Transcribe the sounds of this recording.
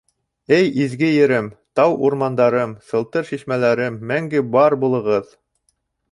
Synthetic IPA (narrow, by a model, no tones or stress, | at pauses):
ɘjizɡɘjɘ̆ɾɘmt̪ɑwuɾmɑnd̪ɑɾɤmsɤ̆lˠt̪ɤɾʃiʃmælæɾɘmːæŋɡɘbɑɾbulˠɤ̆ʁɤð